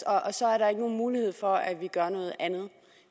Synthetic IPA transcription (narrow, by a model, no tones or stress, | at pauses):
ɒ̽ʔːsɒ̽æɐɾɑ̈e̝ɡ̥əno̝ːn̩muːliheð̰ˠfɒ̽æʋiɡ̥ɶɐnɔ̽ːð̞̩ˠʔænð̞̩ˠ